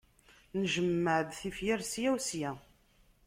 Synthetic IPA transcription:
nʒəmːəʕðθifjɪɾsjæwsjæ

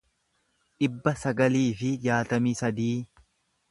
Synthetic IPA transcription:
ᶑɪbːɐsɐɡɐliːfɪd͡ʒaːt̪ɐmisɐd̪iː

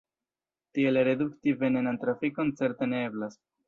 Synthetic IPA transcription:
tieleɾe̞duktive̞nenant̪ɾafiko̞nt͡se̞ɾt̪e̞neeblas

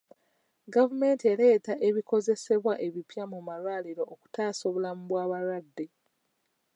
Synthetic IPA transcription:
ɡavume̞ːntie̞ɾe̞ːtaʔe̞βiko̞ze̞se̞βwaʔe̞βipjamumalwaːliɾo̞ʔːku̥taːso̞βolamuβwaːβaɾwadːe̞

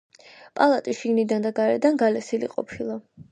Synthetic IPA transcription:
pʼalˠat̪ʼiʃiɡnid̪and̪aɡaɾɛ̰d̪anɡalɛsilḭqʼɔ̰pʰilˠa

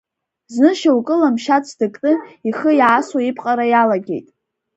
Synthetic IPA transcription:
znɨʃalkʼɨlamʃat͡sʰdakʼnɨiχɨjaːswaipʰʼqʼaɾajalaɡʲe̞̰jtʼ

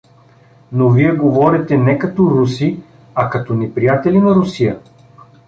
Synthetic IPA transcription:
noviɛɡovɔɾɛt̪ɛnɛkɐt̪ɔɾusi | ɐkɐt̪ɔnɛpɾijat̪ɛlinɐɾusijə

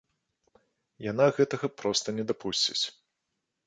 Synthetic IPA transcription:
janaɣɛt̪ɐɣɐpɾɔst̪ɐnʲɛd̪apusʲt͡sʲḭt͡sʲ

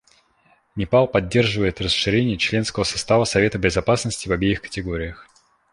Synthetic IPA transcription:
nʲɪpalˠpɐdʲːe̞rʐɨvəjɪt̪rəsʂɨɾʲenʲɪjət͡ɕlʲe̞nskəvəsɐ̥st̪avəsɐvʲe̞t̪əbʲɪzɐpasnəsʲtʲɪvɐbʲejixkə̥tʲɪɡoɾʲɪjəx

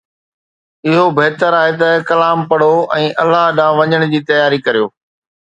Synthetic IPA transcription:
ɪɦobeɦːt̪əɾaːɦet̪ɐkɐlaːmpɐɽ̤oɛ̃ːʔɐlːaɦɗãːʋɐɲəɽ̃d͡ʑiːt̪ɐjaːɾikɐɾijoː

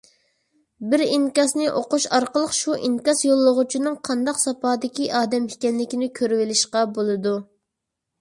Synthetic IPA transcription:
bɪɾiŋkʲɑsnɨʔoqʊʃɑɾqəlˠəqʃuʔiŋkɑsjolˠːʊʁʊt͡ʃʰinɨŋqʰɑnd̪ɑqsɑpɑːd̪ɪkʲiʔɑːd̪ɛmhikʲɛnlːɪkʲinɪkʲʰøɾvɪlɪʃqɑbolˠɨd̪u

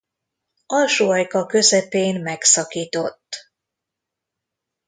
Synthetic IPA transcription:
ɒlʃoːɒjkɒkø̞zɛpeːnmɛksɒkiːt̪o̞t̪ː

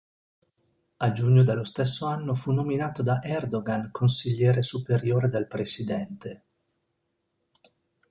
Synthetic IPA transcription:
ad͡ʒuɲːod̪elːost̪esːoanːofunominaːt̪od̪aʔɛrd̪oɡankʰonsiʎːɛːɾesupeɾjoːɾed̪elpɾesid̪ɛnt̪e

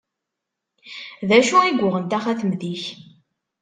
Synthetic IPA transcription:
ðæʃuiɡʷʊʁənt̪æχæθmðiç

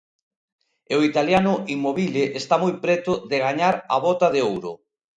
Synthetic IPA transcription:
eoit̪aljanʊiŋmoβileʔest̪amojpɾɛt̪ʊðeɣaɲaɾa̰βɔt̪aðeowɾʊ̰

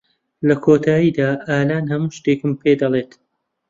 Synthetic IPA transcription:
lɐkʰoːt̪ʰaːjid̪aːʔaːlaːnhɐmuːʃt̪ekɨmpʰed̪ɐlˠeːt̪

